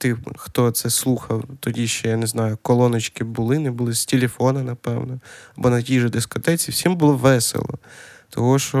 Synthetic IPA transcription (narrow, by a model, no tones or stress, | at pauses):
t̪ɪxt̪ɔt̪sɛslˠuxɐwt̪ɔdʲiʃt͡ʃɔjaneznɑjʊkɔlˠɔnɔt͡ʃkɪbʊlˠɪnɪbʊlˠɪsʲtʲelʲefɔnɐnɐpɛwnɔɐbɔnɐtʲijʒʊd̪eskɔt̪ɛt͡sʲiwsʲimbʊlˠɔʋɛsḛlˠɔ̰t̪ʰɔɦɔʃt͡ʃɔ